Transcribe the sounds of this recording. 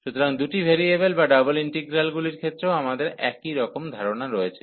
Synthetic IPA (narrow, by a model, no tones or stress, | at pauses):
ʃut̪oɾaŋd̪uʈibʱeɾiebelbaɖaboliɳʈeɡɾalɡuliɾkʰet̪ːɾeoamad̪eɾɛ̰kiɾɔkomd̪ʱaɾonaɾɔet͡ɕʰe̥